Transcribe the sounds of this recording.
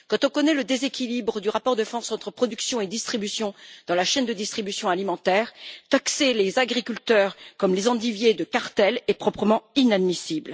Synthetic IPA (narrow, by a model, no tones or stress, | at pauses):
kɑ̃t̪ɔ̃kɔnɛləd̪ezekʲilibʁəd̪yʁapɔʁd̪əfɑ̃sɑ̃t̪χəpχɔd̪yksjɔ̃ed̪ist̪χibysjɔ̃d̪̥ɑ̃laʃɛnd̪əd̪ist̪χibysjɔ̃alimɑ̃t̪ɛːʁt̪akselezaɡʁikʲylt̪œʁkɔmlezɑ̃d̪ivjed̪əkaʁt̪ɛlɛpχɔpχəmɑ̃inad̪misibl